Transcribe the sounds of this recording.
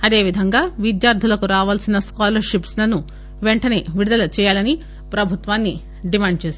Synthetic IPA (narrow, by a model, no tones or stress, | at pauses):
ɐd̪e̞ːʋid̪ʱɐŋɡaːʋid̪jaːɾd̪ʰʱulɐkuɾaːʋaːlsinɐskaːlɐɾʃipslɐnːu | ʋeɳʈɐne̞ʋiɽud̪ɐlɐt͡ʃɛːjaːlɐni | pɾɐbʱut̪ʋaːnːi | ɖimaːɳɖt͡ʃeːs